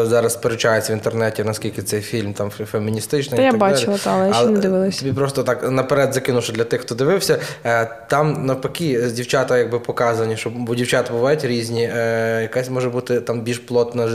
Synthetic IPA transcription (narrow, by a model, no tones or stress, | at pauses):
zɑɾɐspeɾʊt͡ʃajet͡sʲːɐʋʲint̪ernɛtʲinɐskʲilʲkɪt̪sɛjfʲilʲmt̪ɑmfemʲinʲist̪ɪt͡ʃnɪjaɐbɑd̪t͡ʃalʲɪlˠɐt̪alˠɛɐlnɛd̪ɪʋɪlˠɪst̪ʲːɔbʲipɾɔst̪ɔt̪ɑknɐpeɾɛd̪zɐkɪnʊʃɔd̪lʲɐt̪ɪxt̪ɔd̪ɪʋɪwsʲɐt̪ɑmnɐpɐkʲidʲiwt͡ʃɑt̪ɐjɐɡ̚bɪpɔkɑzɐnʲiʃɔbɔdʲiwt͡ʃɑt̪ɐbʊʋɑjʉtʲɾʲizʲnʲijɐkɛsʲmɔʒɛbut̪ɪt̪ɑmbʲilʲʃplˠɔt̪nɐ